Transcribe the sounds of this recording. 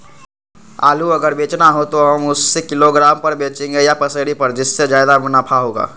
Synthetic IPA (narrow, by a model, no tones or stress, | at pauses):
a̰ːluɐɡəɾbeːt͡ʃnaɦot̪oɦɐmʊsːekɪloɡɾaːmpɐɾbeːt͡ʃẽːŋɡejapɐsəɽipɐɾd͡ʒɪsːed͡ʒjaːjd̪abnapʰaɦoːɡa̰ː